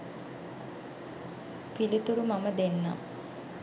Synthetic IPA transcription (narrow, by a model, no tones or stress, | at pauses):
pilit̪uɾumaməd̪enːa̰m